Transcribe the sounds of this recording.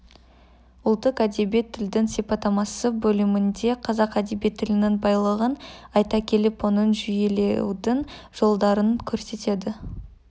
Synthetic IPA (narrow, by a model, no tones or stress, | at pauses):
ʊlˠt̪ːəqæd̪ebet̪ʰːɪld̪ɪŋse̞pɑt̪ɑmɑsəbɵlɪmɪnd̪e̞qʰɑzɑqæd̪ebet̪ʰːɪlɪnɪŋbɑjlˠəʁənɑjt̪ɑkʲʰe̞lɪpwonənʒʏje̞lewd̪ɪŋʒ̥o̞lˠd̪ɑɾəŋkʲʰɵɾse̞t̪e̞d̪ɪ